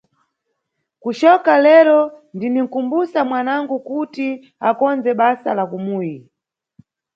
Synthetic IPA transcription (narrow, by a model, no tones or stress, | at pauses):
kut͡ʃɔkalɛɾɔndiniŋ̩kumbusamwanaŋɡukuti | akɔnd͡zɛɓasalakumuːji